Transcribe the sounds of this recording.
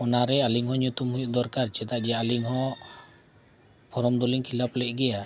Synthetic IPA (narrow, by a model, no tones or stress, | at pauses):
ɔnaɾɛaliŋhɔɲut̪umɦujuʔ̪̚d̪ɔɾkaɾt͡ʃɛt̪aʔd͡ʒɛaliŋɦɔ | pʰɔɾɔmd̪ɔliŋkʰilaplɛʔɡɛja